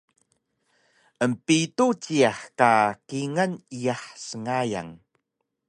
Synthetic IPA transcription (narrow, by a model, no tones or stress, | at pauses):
ʔəmpitut͡ɕiaħkakiŋənijaħsəŋaja̰ŋ